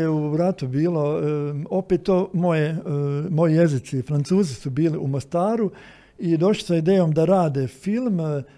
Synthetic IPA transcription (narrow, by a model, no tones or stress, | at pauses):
euɾat̪ubiːlo̞o̞pet̪ːoːmo̞jemo̞jije̞zit̪sifɾant̪suːzisubiːliumost̪aːɾu | id̪o̞ʃli̥said̪eːjomd̪aɾaːd̪efilˠm